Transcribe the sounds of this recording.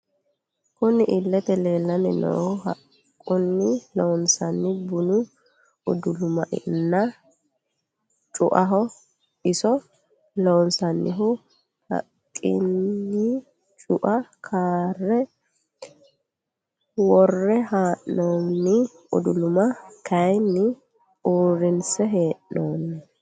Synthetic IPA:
kʊnɪʔɪlːɛt̪ɛleːlːɐnɪnɔ̰ːɦɐkʼː | ʊnːɪlonsɐnːɪbʊnʊ | ʊd̪ʊlʊmɐʔɪ̰nːɐ | t͡ʃʼʊʔɐɦɔ | ɪsɔ | loːnsɐnːɪɦʊ | hɐ̰kʼːɪ̰nːɪ | t͡ʃʼʊʔɐkʰaːrːɛ | wɔrːɛhaːʔnoːnːɪ | ʊ̰d̪ʊlʊmɐkʰɐjnːɪ | uːɾɪnsɛɦeːʔnoːnːɪ

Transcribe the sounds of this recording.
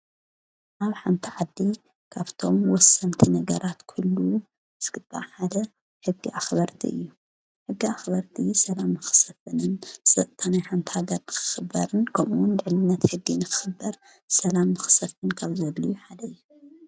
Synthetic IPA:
ʔaβħant̪ʰiʕad̪ːi | kʰaβt̪ʰo̞mwɔsːɐnt̪ʰinɐɡɐɾat̪kʰulːu | ɨskɨt̪ʼːa̰ħad̪ɐ | ħɨɡːḭʔaxbɐɾt̪ʰḭʔɨ̰jːu | ħɨɡːiaxbɐɾt̪ʰisɐlamːɨxɨ̥sɐfɨnɨnsʼɐt̪ʼt̪ʰanajħant̪ʰi̥haɡɐɾnɨkʰɨ̥xɨbːɐɾɨnkʰɐmuwʊnd̪ɨʕnɨnːɐt̪ħɨɡːinɨkʰɨ̥xɨbːɐɾ | sɐlamːɨxɨ̥sɐfɨnkʰaβzɐlːujuħad̪ɐɨjːu

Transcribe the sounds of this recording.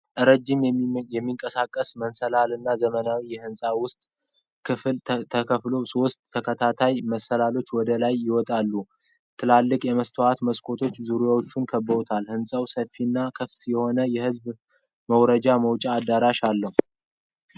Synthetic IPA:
ʔɨɾəd͡ʒːɪmjɛmːiŋkʼəsakʼːəsmənsəlalɨnːazəmənawijɛhɨnsʼawʊst̪ʼ | kʰɨfltt̪ʰəkʰəflo̞so̞st̪ʼʰːəkʰət̪ʰat̪ʰajməsːəlalo̞t͡ʃːwɔd̪əlajːɪwɔt̪ʼalːu | t̪ʰɨlalːɨkʼjɛməst̪ʰəwat̪məskʰo̞t̪ʰo̞t͡ʃːzuɾujawot͡ʃːunkʰəbːəot̪ʰalhɨnsʼəwsəfːinːakʰɨft̪jɛho̞nəjɛhɨzb | məwɾəd͡ʒaməwt͡ʃʼaːd̪ːaɾaʃalːəhu

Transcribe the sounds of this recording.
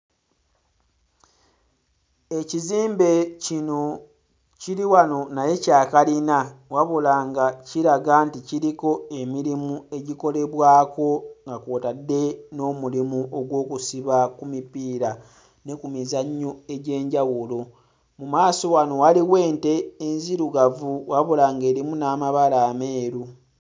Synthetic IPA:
e̞ciziːmbe̞cino̞ | ciɾiwano̞naje̞caːkalinawaβolaːŋɡaciɾaɡaːnticiɾiko̞e̞miɾimue̞ɟiko̞le̞βwaːko̞ŋɡakoːtadːe̞no̞mulimuʔoɡwo̞ːkusiβakumipiːɾa | ne̞kumizaɲːoe̞ɟe̞ːɲɟawulo̞ | mumaːso̞wano̞waliwe̞ːnte̞ːnziɾuɡavuwaβolaːŋɡe̞ːɾimunaːmaβalaːme̞ːɾu

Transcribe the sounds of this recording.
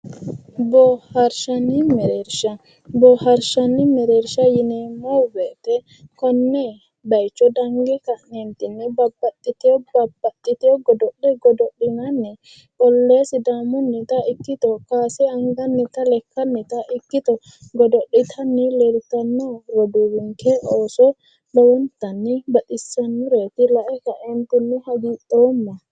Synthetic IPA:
bɔhɐɾʃɐnɪmɛɾeːɾʃɐ | bɔhɐɾʃɐnːɪmɛɾeːɾʃɐjɪnɛmɔbeːt̪ɛ | kɔnːɛ | bɐjt͡ʃːɔd̪ɐŋɡɛkɐʔnɛnt̪ɪnːɛbɐbːɐt̪ʼːɪt̪ɪjɔbɐbːɐt̪ʼːɪt̪ɪjɔɡɔd̪ɔɗɛɡɔd̪ɔɗːɪnɐnːɛ | kɔlːeːsɪd̪aːmʊnːɪt̪ɐɪkːɪt̪ɔkaːsɛɐŋɡɐnːɪt̪ɐlɛkːɐnːɪt̪ɐʔɪkːɪt̪ɔ | ɡɔd̪ɔɗːɪt̪ʰɐnːɪlɛɾt̪ɐnːɔɾɔd̪uɾʊŋkʰɛʔoːsɔ | bɐwɔnt̪ɐnːɪbɐt̪ʼɪsːɐnːʊɾet̪ɪlɐʔɛkɐʔɛnt̪ʊnːʊhɐɡiːt̪ːoːmːɐ

